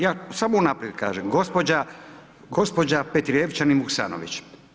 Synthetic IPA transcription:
jaːsamounapɾijed̪ka̰ːʒemɡospod͡ʑa | ɡospo̞d͡ʑapet̪ɾieʋt͡ʃanimuksa̰ːno̰ʋḭt͡ʃ

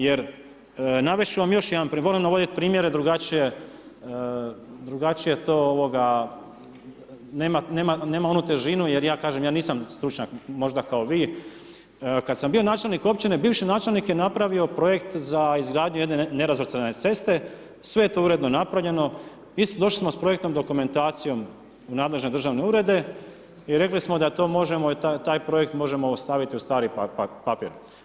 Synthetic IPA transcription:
jeɾ | naʋet͡ʃuʋamjo̞ʃjed̪anpɾiʋo̞limnaʋo̞d̪it̪pɾiːmjeɾed̪ɾuɡat͡ʃije̞ | d̪ɾuɡat͡ʃije̞t̪oːoʋo̞ɡa | neːmane̞ːmane̞ːmao̞nut̪e̞ʒinuje̞ɾjaːkaːʒemjaːniːsamst̪ɾut͡ʃɲakmo̞ʒd̪akao̞ʋiː | kad̪sambio̞naːt͡ʃe̞lniko̞p̚t͡ʃinebiːʋʃinaːt͡ʃe̞lˠnikjenapɾaʋio̞pɾo̞je̞kt̪zaizɡɾaːd̪ɲuje̞d̪nene̞ɾazʋrt̪sɾene̞t̪se̞st̪e̞ | sʋe̞jet̪oːuɾe̞d̪nonapɾaʋʎe̞no̞ | isd̪o̞ʃlismo̞spɾo̞jekt̪no̞md̪o̞kume̞nt̪aːt̪sijo̞m | unaːd̪le̞ʒne̞d̪ɾrʒaʋneuɾe̞d̪e̞ | iɾe̞klismo̞d̪at̪o̞mo̞ʒe̞mot̪at̪aːjpɾo̞je̞kt̪mo̞ʒemo̞st̪aʋit̪iust̪aːɾippapḭɾ

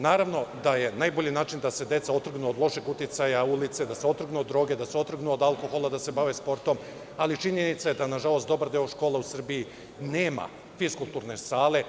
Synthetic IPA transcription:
naːɾaʋno̞d̪aje̞najboʎinaːt͡ʃind̪ase̞d̪je̞t̪sao̞t̪r̩ɡnuod̪lˠo̞ʃeɡut̪it̪sajaulit̪se̞d̪aseo̞t̪r̩ɡnuod̪ːɾo̞ːɡe̞d̪aseo̞t̪r̩ɡnuod̪alko̞xo̞lˠad̪ase̞baʋespo̞ɾt̪o̞m | alit͡ʃiɲenit̪sajed̪anaʒalˠo̞st̪d̪o̞baɾd̪eoʃkoːleusr̩bii | neːma̰ | fiskulˠt̪uɾne̞saːle̞

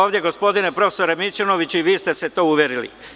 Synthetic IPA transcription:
oːvd̪jeɡo̞spo̞d̪ine̞pɾo̞fe̥so̞ɾemit͡ʃono̞ʋit͡ɕiʋiːst̪e̞se̞t̪o̞ːuʋjeɾilḭ

